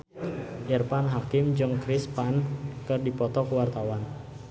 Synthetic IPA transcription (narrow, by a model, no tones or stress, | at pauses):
ʔirpanɦakɪmd͡ʒɨŋkɾɪspankɨrdipɔt̪ɔkəwart̪awan